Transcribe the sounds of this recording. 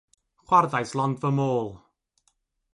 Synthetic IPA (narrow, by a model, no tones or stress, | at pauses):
χwarðajslˠɔndvəmoːlˠ